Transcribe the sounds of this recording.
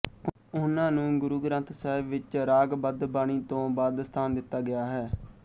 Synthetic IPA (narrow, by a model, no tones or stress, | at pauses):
ʊnãːnũːɡʊɾuːɡɾə̃nt̪ʰsəːɪbːɪt͡ʃɾaːɡbəd̪baːɳ̃iːt̪õːbaːd̪st̪ʰaːnd̪ɪt̪ːaːɡɪjaːɦɛː